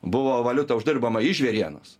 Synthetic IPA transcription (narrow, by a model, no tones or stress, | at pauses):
bʊʋoːʋɐlʲʊt̪ɐʊʒʲd̪ʲɪrboːmɐɪʒʲʋʲeːɾʲiɛno̰s